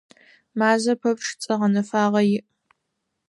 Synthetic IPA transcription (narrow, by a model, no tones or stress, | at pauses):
maːzɐpʰɐpʰʼʂt͡sʼɐʁɐnɐfaːʁɐjɪʔ